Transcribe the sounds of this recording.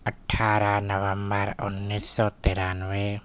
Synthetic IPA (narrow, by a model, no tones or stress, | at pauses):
əʈʰaːɾanəʋə̃mbəɾʊnːisːɔt̪eːɾanwe